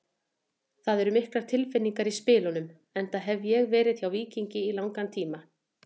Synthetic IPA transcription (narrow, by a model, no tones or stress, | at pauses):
θaðɛɾʏmɪhklaɾ̥t̪ʰɪlfɪnːiŋkaɾispɪːlɔnʏm | ɛnt̪aɦɛvjɛɣvɛːɾɪðçawviːciɲcɪilawŋkant̪ʰiːma